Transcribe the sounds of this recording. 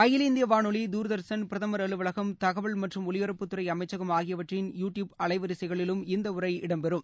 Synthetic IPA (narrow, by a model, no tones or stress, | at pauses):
ɐjɪlɪnd̪ɪjɐʋaːnɔɭid̪uːɾɯðɐɾsɐnpɪɾɐðɐmɐɾɐɭɯʋɐɭɐɣɐmt̪ɐɣɐʋɐɭmɐʈrɯmɔɭɪʋɐɾɐpːɯt̪ːɯɾɐɪɐmɐɪt͡ʃːɐɣɐmaːɣɪjɐʋɐʈrɪnjuːʈjuːbɐɭɐɪʋɐɾɪsɐɪɣɐɭɪlɯmɪnd̪ɐʊɾɐɪɪɽɐmpɛɾɯm